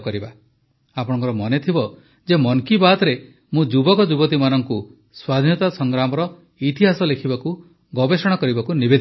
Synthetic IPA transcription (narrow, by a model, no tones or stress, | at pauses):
kɔɾiba | apɔɽ̃ɔ̃ŋkɔɾɔmɔnet̪ʰibɔ | d͡ʒemɔŋkibat̪ɾe | mũd͡ʒubɔkɔd͡ʒubɔt̪imanɔŋku | swad̪ʱinɔt̪asɔŋɡɾamɔɾɔ | it̪iɦasɔlekʰibaku | ɡɔbesɔɽ̃ɔkɔɾibakunibed̪ʱ